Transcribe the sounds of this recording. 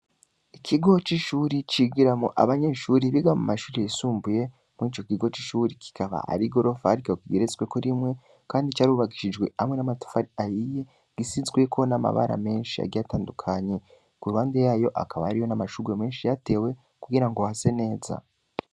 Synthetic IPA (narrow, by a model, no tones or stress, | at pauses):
ikʰiɡo̞t͡ʃiʃuːɾit͡ʃiɡiɾamo̰ʔa̰βaɲe̞ʃuːɾiβiɡamṵmaʃuːɾiisuːmbuje̞ | muiːt͡ʃo̞kiɡo̞t͡ʃiʃuːɾikʰi̥kaβa̰ʔa̰ɾiɡo̞ɾo̞faɾikaokiɡeɾezɡwe̞koɾimŋe̞ | kaːndit͡ʃaːɾuβaɡiʃid͡ʒɡwe̞amŋwe̞namatu̥faɾiajije̞ | ɡ̥isizɡwe̞kʰo̞nama̰βa̰ɾa̰me̞ːnʃia̰ɡɟiataːndukʰaɲe̞ | kuɾuβaːndejaːjo̞ʔa̰kaβaaɾijonamaʃuɡeme̞ːnʃijate̞ːwe̞ | kuɡiɾaŋɡohase̞ne̞ːza̰